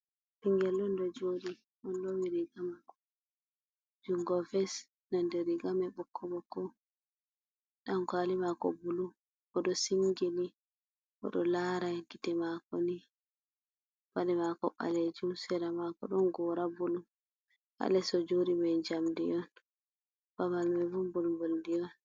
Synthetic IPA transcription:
piŋɡɛlɗɔndɔd͡ʒoɾi | ɗɔnlomiɾiɡamakɔ | d͡ʒuŋɡɔfɛs | nandɛɾiɡamɛɓɔkʰːɔbɔkːɔ | ɗamkalimakɔ̰bulu | ɔɗɔsiŋɡili | ʔɔ̰ɗɔlaɾaɡitɛmakɔni | b̥adɛmakɔɓa̰led͡ʒumsɛɾamakɔɗɔnɡɔɾabulu | ʔa̰lɛsɔd͡ʒoɾimɛd͡ʒamdijɔn | baβalmɛvumbulmboldijɔn

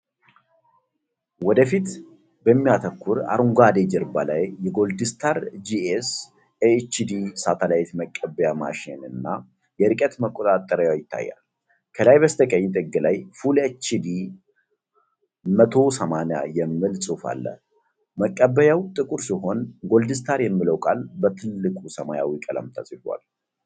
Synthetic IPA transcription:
wɔd̪əfit̪ | bəmːijat̪ʰəkʰːuɾa̰ɾuŋɡʷad̪ed͡ʒɛɾba̰lajːɛɡo̞ld̪ist̪ʰaɾd͡ʒies | et͡ʃːid̪isat̪ʰəlajt̪məkʼːəbːəjama̰ʃɪ̰nɨnːa | jɛɾɨkʼət̪məkʼot̪ʼat̪ʼːəɾəjajɪt̪ʰːa̰jːa̰l | kʰəlajbəst̪ʰəkʼəɲːt̪ʼɨɡːɨlajfulet͡ʃːid̪i | mət̪ʰo̞səmanja̰jɛmːɨlsʼufa̰lːə̰ | məkʼːəbːəjawt̪ʼɨkʼuɾsiɦo̞nɡo̞ld̪ɨst̪ʰaɾjɛmːiləwkʼalbət̪ʰɨlːɨkʷʼusəmajawikʼələ̰mt̪ʰasʼfa̰l

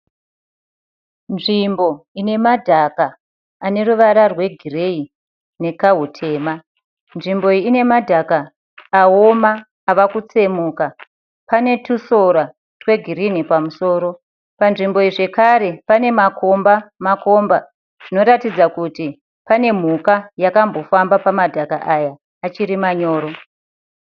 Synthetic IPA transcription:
nʐimbo̞ine̞madʱakaː | ne̞ɾuʋaɾarwe̞ɡʱirei | ne̞kaɦutʰe̞ːma | nʐimbo̞ine̞madʱakaː | omaː | ʋakut͡se̞muːka | pane̞tuso̞ɾa | twe̞ɡʱiɾinipamuso̞ːɾo̞ | panʐimbo̞iʐe̞kaɾe̞pane̞makʰo̞mbamako̞mba | ʐ̥ino̞ɾatid͡zakuti | pane̞m̤ukajakambo̞fambapamadʱakaʔajaː | t͡ʃiɾimaɲo̞ːɾo̞

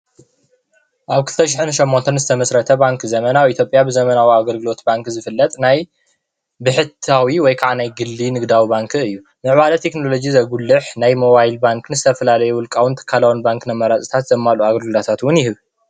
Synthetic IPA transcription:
ʔaβkʰɨlɨ̥t̪ʰɐʃ̬ɪħɨnʃɐmːo̞nt̪ʰɐnzɨt̪ʰɐmɐsɾɐt̪ʰɐbaŋkzɐmɐnawit̪ʰjo̞pʼjabɨzɐmɐnawiaɡɐlɡɨlo̞t̪baŋkzɨfɨlːɐt̪ʼnaj | bɨħɨt̪ʰawiwɔjkʰaʕanajɡɨlːinɨɡd̪awibaŋkʰɨɨjːu | mɨʕwalɐt̪ʰe̞knolo̞d͡ʒizɐɡulːɨħnajmo̞βajlbaŋknɨzɨt̪ʰɐfɐlalɐjuwʊlkʼawʊnt̪ʰɐ̥kʰːalawunbaŋknɐmɐɾat͡sʼi̥t̪ʰat̪zɐmːaluaɡɐlɡɨlot̪ʰat̪wʊnjɪhɨβ

